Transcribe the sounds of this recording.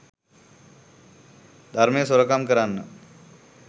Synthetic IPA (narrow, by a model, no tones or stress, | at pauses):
d̪ʱaɾmẽsuɾokamkəɾanːə̰